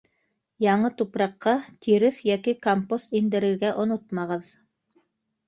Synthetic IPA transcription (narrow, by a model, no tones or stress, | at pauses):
jɑɴɤt̪upɾɑqːɑt̪ʰiɾɘθjækikompost̪ind̪ɘ̆ɾɘ̆ɾɡæʔŏnot̪mɑʁɤð